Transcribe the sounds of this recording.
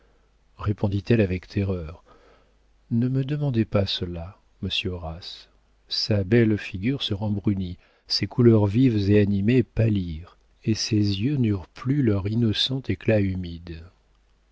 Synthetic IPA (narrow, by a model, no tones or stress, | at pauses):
ʁepɔ̃d̪it̪ɛlavɛkt̪ʰeʁœʁ | nəməd̪əmɑ̃d̪epasəla | məsjøʁas | sabɛlfiɡʲyʁsəʁɑ̃bʁyni | sekulœʁvivzeanimepaliʁ | esezjønyʁplylœʁinɔsɑ̃t̪eklaymid̪